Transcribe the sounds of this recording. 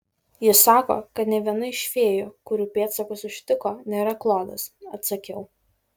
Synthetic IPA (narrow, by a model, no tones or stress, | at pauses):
jɪsɑːko̰ːkɐt̪nʲɛʋʲiɛnɐɪʃʲʋʲeːjoːkʊɾʲuːpʲeːt̪sɐkʊsʊʃʲt̪ʲɪkoːnʲeːɾɐklˠoːd̪ɐsɐt̪sɐkʲɛʊ